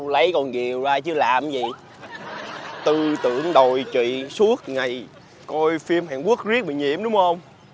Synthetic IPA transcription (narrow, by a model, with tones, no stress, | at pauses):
lə˨˦jkɔ˨˩nki˨˩əwzaː˧t͡ɕɨ˨˧˦əlaː˨˩mzḭ˨˩˨ | t̪ɨ˨˩t̪ɨ̰˧˩əŋɗo˨˩jt͡ɕwḭ˧˨su˦˥ət̚ŋa˨˩j | kɔ˧jfi˧əmhaː˨˩nku˦˥ək̚zi˦˥ək̚ɓḭ˧˨ɲḭ˧˨əmɗʊ˨˦ŋ͡mhə˧wŋ͡m